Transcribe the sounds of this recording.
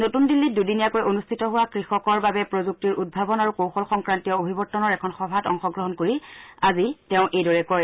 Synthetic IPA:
notundilːit̚dudinijakojonustʰitɔɦʊwakɹixɔkɔɹbabɛpɹozuk̚tiɹud̚bʱabɔnaɹukowxɔlxɔŋkɹantijɔobʱibɔɹtːɔnɔɹɛkʰɔnxɔbʱatɔŋxɔɡɹɔɦɔnkoɹiazitɛʊ̃ʔejdɔɹɛkɔj

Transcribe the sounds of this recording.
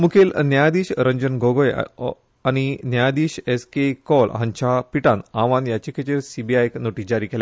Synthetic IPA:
mukʰelnjajd̪iːɕɾəɲd͡ʑənɡoɡoj̰ | añinjajad̪iːɕeskekɔlɦãɲt͡ɕapiʈãnaʋãnjat͡ɕikʰet͡ɕeɾsibiajknoʈiːd͡ʑaɾiːkelja

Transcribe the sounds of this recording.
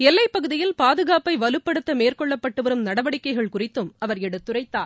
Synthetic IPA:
ɛlːɐɪpːɐɣɯðɪjɪlpaːðɯɣaːpɐɪʋɐlɯpːɐɽɯt̪ːɐmeːrkɔɭːɐpːɐʈːɯʋɐɾɯmnɐɽɐʋɐɽɪkːɐɪɣɐɭkʊrɪt̪ːɯmɐʋɐɾɛɽɯt̪ːɯrɐɪt̪ːa̰ː

